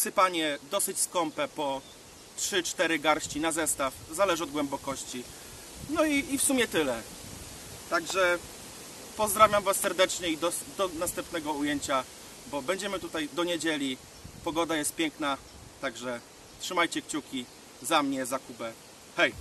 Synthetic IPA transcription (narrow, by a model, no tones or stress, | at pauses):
sɘpaɲɛd̪ɔsɘt͡ɕskɔmpɛpɔ | tʂɘt͡ʂt̪ɛɾɘɡaɾɕt͡ɕinazɛst̪afzalɛʐɘɔd̪ɡwɛmbɔkɔɕt͡ɕi | nɔiːfsumʲjɛt̪ɘlɛ | t̪aɡʐɛ | pɔzd̪ɾavʲjamvasːɛɾd̪ɛt͡ʂɲɛid̪ɔd̪ɔnast̪ɛmpnɛɡɔujeɲt͡ɕa | bɔbɛɲd͡ʑɛmɘt̪ut̪ajd̪ɔɲed͡ʑelʲi | pɔɡɔd̪ajɛst̪̚pʲjɛŋkna | t̪aɡʐɛ | tʂɘmajt͡ɕɛkt͡ɕukʲi | zamɲɛzakubɛ | xɛj